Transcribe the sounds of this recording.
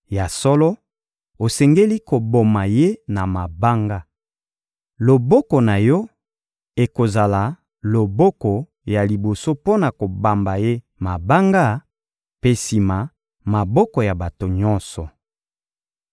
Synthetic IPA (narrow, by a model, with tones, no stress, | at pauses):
ja˨sɔ˦lɔ˦ | o˨sɛ˨ŋɡe˦li˦ko˨bo˨ma˨je˦na˨ma˨ba˦ŋɡa˦ | lo˨bɔ˦kɔ˨na˨jɔ˦ | e˨ko˨za˨la˨ | lo˨bɔ˦kɔ˨ | ja˨li˨bo˨so˦po˦na˨ko˨ba˨mba˨je˦ | ma˨ba˦ŋɡa˦ | pe˦si˨ma˨ | ma˨bɔ˦kɔ˨ja˨ba˨to˨ɲɔ˦nsɔ˨